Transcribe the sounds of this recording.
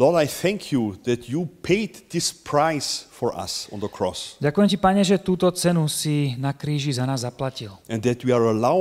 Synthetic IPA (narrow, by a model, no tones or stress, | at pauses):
lɔdaɪθɛ̃ŋkʰjuðætʰjupʰeɪd̪ðɪspʰɹaɪsfɔɹʔa̰sɔ̃nðəkʰɹ̥ɔsɟakujɛmcipaɲɛʒɛt̪uːt̪ɔt͡sɛnusinakɾiːʒizanaːzːaplacilʔɛ̃nðætʰwiaɹəlaʊ